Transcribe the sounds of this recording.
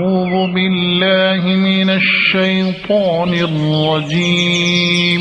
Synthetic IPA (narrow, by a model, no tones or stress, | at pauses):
uːðʊbɪlːaːɦɪmɪnaʃːajt̪ˤɑːnɪrːɑd͡ʒiː